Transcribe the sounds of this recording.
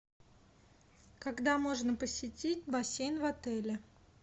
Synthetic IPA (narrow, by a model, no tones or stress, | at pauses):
kɐɡd̪amo̞ʐnəpəsʲɪtʲit̚ʲbɐsʲejnvɐt̪ɛlʲɪ